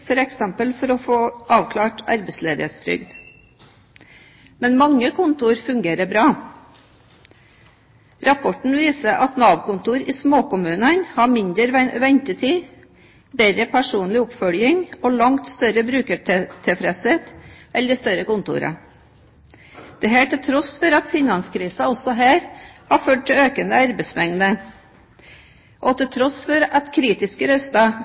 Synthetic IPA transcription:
fɔɾɛksɛmpəlfɔɾɔfoːʔɑːʋkʰlɑːʈɑ̰ɾbəsleːd̪ɪheːt̪st̪ɾʏ̰ɡd̪ | mɛnmɑŋːəkʰʊnt̪ʊːɾfʉŋɡeːɾəbɾɑː | ɾɑpʰɔʈɳ̩ʋiːsəʔɑt̪nɑːʋkʊnt̪uːɾiːsmoːkʊmʉːnənhɑːmɪnd̪əɾʋɛɲt̪ət̪ʰiː | beɾɾəpʰæʂuːnlɪʊpfœljɪŋoːlɑŋt̪st̪œɾəbɾʉːkət̪ʰɛfɾɛsheːt̪ʔɛlːəɾɪst̪œɾəkʊnt̪ṵːɾɑ̰ | d̪̥ɛɦæːʈʰɪlt̪ʰɾɔsfɔɾɑt̪fɪnɑnskʰɾiːsɑɔsɔɦæːɾhɑføːʈ̚t̪ɪøːkənəɑɾbɛsmɛŋnə | ʔɔt̪ʰɪlt̪ʰɾɔsfɔɾɑt̪kʰɾiːt̪ɪskəɾœst̪ɑ

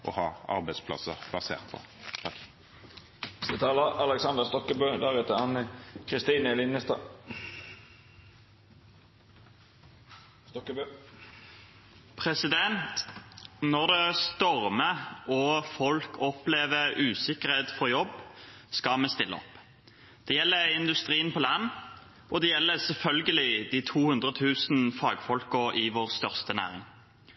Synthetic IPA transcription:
ʔɔ̰hɑːɑ̰ʁbæɪspʰlɑ̰səʁb̥ɑsḛːʁt̪fʰɔ̰ | t̪ʰɑ | st̪ət̪ʰɑːləɑlɛksɑnd̪əʁst̪ɔkːəbøːd̪æʁɛt̪əɑnəkʰʁɪst̪iːnəlɪnəst̪ɑ̰ː | st̪ɔkːəbøː | pʰʁɛsɪd̪ɛnt̪ | nɔʁd̪ɛst̪ɔʁməɔfɔlkʰɔpleːʋəʁʉːsɪkəʁheːt̪fɔʁjɔb | skɑmɛːst̪ɪlːə̰ɔ̰p | d̪̥ɛjɛlːəɪnd̪ʉst̪ʁiːənpʰɔlɑn | ʔɔd̪ɛjɛlːəsɛlfœlɡəlɪd̪iːt̪ʰuːhʉnd̪ʁət̪ʰʉːsn̩fɑːɡfɔlkəʁɪʋoːʁst̪œʁst̪ənæ̰ːʁɪ̰ŋ

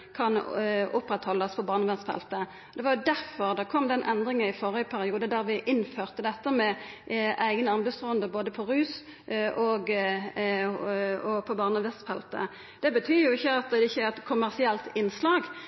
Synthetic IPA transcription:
kʰɑnʔʊpɾɛt̪hɔlːəspʰɔbɑːʁnəʋɛnst̪fɛ̰lt̪ə | ɔd̪ɛʋɑɾjʊd̪æʁfɔʁd̪ɑkʰɔmd̪ɛnʔɛnd̪ʁɪŋənɪfɔʁəəpʰæɾɪuːd̪əd̪æʁʋɪʔɪnføːʁt̪əd̪ɛt̪ːəmɛʔæɪɡənɑnbəst̪ʁuːənd̪əboːd̪əpʰɔʁʉːs | ʔɔɡ | ɔpʰɔbɑːʁnəʋɛst̪fɛlt̪ə̰ | d̪ɛbət̪ʰyːjʊɪçːəɑt̪̚d̪ɛɪçːəæʁɛt̪kʰʊmːæʁsɪɛlt̪ɪnslɑːɡ

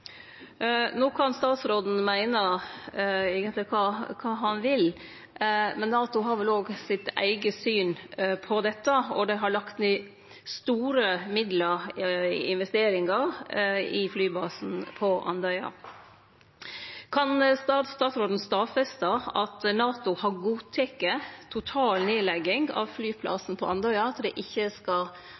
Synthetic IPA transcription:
noːkʰɑnst̪ɑːt̪sɾoːd̪n̩mæɪnə | eːɡənlɪkʰɑːkʰɑːɦɑnʋɪl | mɛnːɑːt̪ʊɦɑɾʋɛloːɡsɪt̪æ̰ɪɡəsyːnpʰɔd̪ɛt̪ːəɔd̪ɛɦɑɭɑkt̪nɪː | st̪uːɾəmɪd̪ləɾ | ɪ̰nʋɛst̪eːɾɪŋɑɾɪflyːbɑːsn̩pʰɔʔɑ̰nd̪œʏɑ̰ | kʰɑnst̪ɑːt̪st̪ɑːt̪sɾoːd̪n̩st̪ɑːfɛst̪əɑt̪nɑːt̪ʊhɑɾɡuːt̪ʰɛkːət̪ʰʊt̪ʰɑːlneːlɛɡɪŋɡɑ̰ʋflyːpʰlʔɑ̰sn̩pʰɔʔɑnd̪œʏɑt̪d̪ɛʔɪçːəskɑl

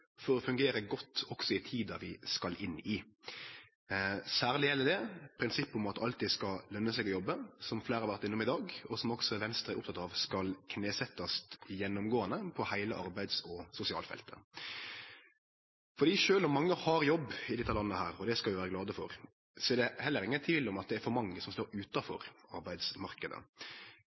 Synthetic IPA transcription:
fɔɾɔfʉŋɡeːɾəɡɔt̪ːɔksɔɪt̪ʰiːd̪ɑʋɪskɑlʔɪnːɪ | sæːɾlɪjɛlːəd̪ɛpʰɾɪnsɪpːʊmɑt̪ɑ̰lt̪iːd̪skɑlœnːəsɛɪɡɔjɔbːəsɔmfleːɾəɑɾʋæɾt̪ɪnːʊmɪd̪ɑːɡɔsɔmɔksɔɛʋɛnst̪ɾəʔʊpt̪ʰɑt̪ɑʋskɑlkʰneːsɛt̪ːɑst̪jɛnːʊmɡoːɑnəpʰɔhæɪlə̰ʔɑɾbæɪd̪sɔsʊsɪɑ̰ːlfɛ̰lt̪ə̰ | fɔɾd̪iːʂøːlɔmːɑŋːəhɑɾjɔbːɪd̪ɪt̪ʰːɑlɑnːəhæːɾɔd̪ɛskɑlʋɪʋæːɾəɡlɑːd̪əfɔɾ | sɔɛɾd̪ɛhɛlːəɾɪŋːənt̪ʰiːlɔmɑt̪̚d̪ɛæɾfɔɾmɑŋːəsɔmst̪oːɾʉːt̪ɑfɔ̰ɾɑɾbæɪd̪smɑʁkəd̪ə̰

